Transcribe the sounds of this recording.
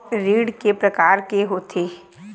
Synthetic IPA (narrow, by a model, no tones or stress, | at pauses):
ɾiːɽkepɾɐkaːɾkeɦoːt̪ʰeː